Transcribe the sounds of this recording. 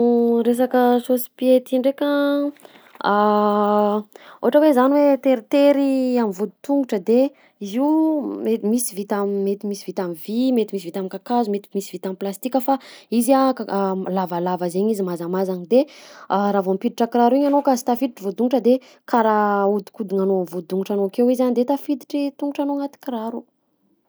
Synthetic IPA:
ɾes̬akəsosi̥piet̪iɳɖ͡ʐekʲə | a | o̰ɦaʈ͡ʂəwezaniwet̪eɾit̪eɾiamivud̪u̥t̪uŋɡuʈ͡ʂəd̪e | iziumet̪misivit̪ammet̪imisivit̪amivimet̪imis̬ivit̪amikakazumet̪i̥misivit̪amiplast̪ikʲəfaiziaalavalavazeɲizimazamazaɲid̪eɾavampid̪iʈ͡ʂəkɾaɾuiɲanokasi̥t̪afid̪iʈ͡ʂivud̪uŋuʈ͡ʂəd̪e | kaɾaud̪i̥kud̪iŋanoamvud̪uŋuʈ͡ʂanokewizanid̪et̪afid̪i̥ʈ͡ʂit̪uŋɡuʈ͡ʂanoŋat̪i̥kiɾaɾu

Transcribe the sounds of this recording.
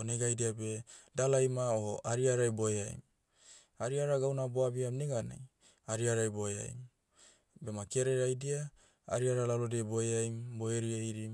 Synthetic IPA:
oneɡajdiabedalajmaooʔaɾiaɾajbo̞eaj̰m | aɾiaɾaɡawnaboabiamneɡana̰j | aɾiaɾajbo̞ea̰jm | be̞makeɾeɾajdia | a̰ɾiaɾalalodeboeajmboeɾiejɾim

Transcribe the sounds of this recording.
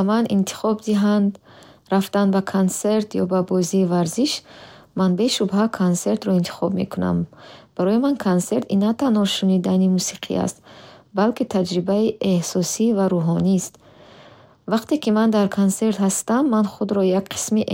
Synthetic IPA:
manḭnt̪ʰi̥χɔbd̪iɦand̪ɾaft̪anbakʰonse̞ɾt̪ʰjɔbabɔziːvaɾziʃmanbeʃubhakʰonse̞ɾt̪ɾɔint̪ʰi̥χɔbmḛkʰuna̰mb̥aɾɔjimankʰonse̞ɾt̪inːat̪anhɔʃunid̪animusiqʰḭa̰st̪balkit̪ʰad͡ʒɾibaiʔe̞hsɔsivaɾuɦɔnist̪ | vaqt̪ekimand̪aɾkʰonse̞ɾt̪hast̪amːanχud̪ɾɔjaɡqʰi̥smiʔ

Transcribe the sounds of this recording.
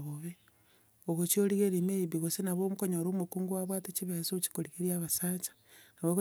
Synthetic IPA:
ɣoβe | oɣot͡ʃioliɣeɾimeiβiɣosenaβomukoɲoɾomukuːŋɡuwaβwaːtet͡ʃiβeasot͡ʃi̥koɾiɣeɾiaβasaːt͡ʃḁnaβoɣo

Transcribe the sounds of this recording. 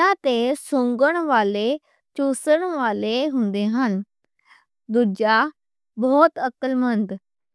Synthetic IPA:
ãt̪esõːŋɡəɽ̃ʋaːle | t͡ʃoːsəɽ̃ʋaːleɦũːn̆d̪eɦən | d̪ʊɾd͡ʒa | bɔːt̪əkəlmənd̪

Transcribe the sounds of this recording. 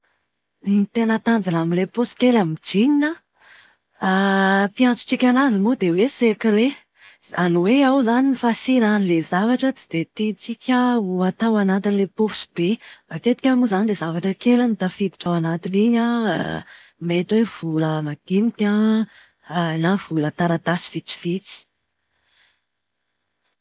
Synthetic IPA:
it̪enət̪and͡zanamileposkelamid͡ʒiɲinə | apijant͡su̥t͡sikʲanazimud̪ewesekɾe | zaniweawzaninifasinanlezavaʈ͡ʂət͡si̥d̪̥et̪it͡sikʲəuat̪awanat̪inilepofu̥si̥b̥ebat̪et̪i̥kʲamuzanid̪ezavaʈ͡ʂəkelanit̪afid̪i̥ʈ͡ʂawanat̪iniɲa̰ | met̪wev̥uləmaɡ̪̥inikã | nav̥ulət̪aɾat̪asi̥v̥it͡si̥v̥it͡si̥

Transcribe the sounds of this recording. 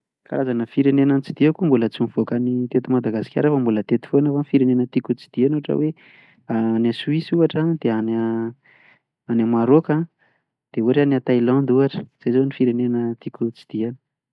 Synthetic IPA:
ka̰ɾazanəfiɾenenant͡sid̪̥iakumbulət͡simv̥okanit̪et̪imad̪aɡasi̥kʲa̰ɾefəmbulət̪et̪i̥fonavafiɾenenət̪ikut͡si̥d̪̥ianuaʈ͡ʂə̰we | aːnasuwisuaʈ͡ʂad̪eana | anamaɾoka | d̪̥euɾanat̪ajland̪uɦaʈ͡ʂə̥z̥ejzonifiɾenenət̪ikʲut͡si̥d̪̥iani̥

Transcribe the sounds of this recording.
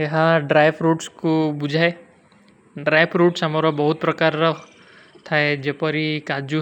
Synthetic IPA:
ɐɦãɖɾaːjpɾuːʈskobʊd͡ʒʱae | ɖɾaːjpʰɾuːʈsɦɐmaɾobɐɦʊt̪̚pɾɐkaɾɐ | t̪ʰaed͡ʒepəɾikaːd͡ʒu

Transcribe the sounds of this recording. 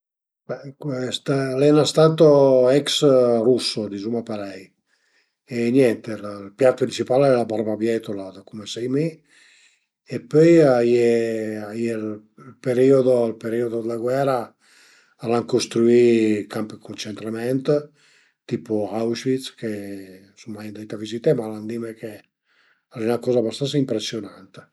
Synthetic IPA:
bɛkst̪lɛnast̪at̪oɛksrusːod̪izumapeɾɛj | enjɛnt̪ellpjat̪pɾint͡ʃipalɛlabaɾbabjɛt̪olad̪akumesɛjmi | epøjajeajel | lpeɾiod̪olpeɾiod̪od̪əlaɡwɛɾa | alaŋkost̪ɾuikampəkont͡ʃent̪ɾamɛnt̪ | t̪ipoawʃvit̪ske | sumːajand̪et̪avizit̪emaland̪imeke | aɾinakɔːzabast̪ansaimpɾesːjonant̪e̥

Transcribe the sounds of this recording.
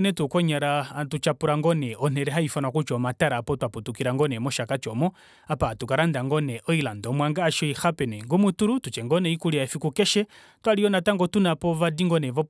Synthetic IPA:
nɛtukɔɲaɾatut͡ʃapuɾaŋɡɔnɛɔn̥ɛɾɛɦaifanwakut͡ʃɔmataɾaːpɔtwaputukiɾaŋɡɔnɛmɔʃakat͡ʃɔmɔ | apatukaɾandaŋɡɔnɛʔɔilandɔmwaŋɡaːʃɔixapɛnɛŋɡumutuɾutut͡ʃɛŋɡɔnɛikuliaɛfikukɛʃɛ | twaliɔnataŋɡɔtunapɔvadiŋɡɔnɛvɔ

